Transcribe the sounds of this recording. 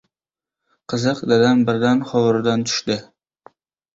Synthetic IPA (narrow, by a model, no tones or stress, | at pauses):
qʰɨzɨqd̪ad̪anbɪɾd̪anχɒwɾd̪ant̪ʰʊ̥ʃd̪ɪ